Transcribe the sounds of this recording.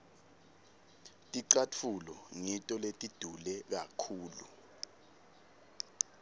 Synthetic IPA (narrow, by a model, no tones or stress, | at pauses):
tʼiǀat͡fʰulɔŋitʼɔletʼid̥ʱulɛk̬akʰuːlṵ